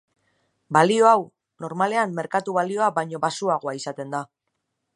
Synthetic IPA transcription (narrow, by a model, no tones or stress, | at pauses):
balio̞aw | no̞ɾmale̞amːe̞ɾkat̪uβalio̞aβajɲo̞βasuaɣ̞o̞aisat̪e̞nd̪a